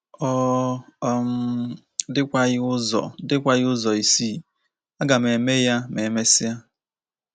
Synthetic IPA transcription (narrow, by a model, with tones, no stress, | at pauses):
ɔ˦ | m̩˦ | dɪ˦kʷa˦ɣɪ˦ʊ˦zɔ̰˨dɪ˦kʷa˦jɪ˦ʊ˦zɔ˨i˨si˦ | a˦ɡa˨me˨me˦ja˦me˨me˦sɪ˦ja˦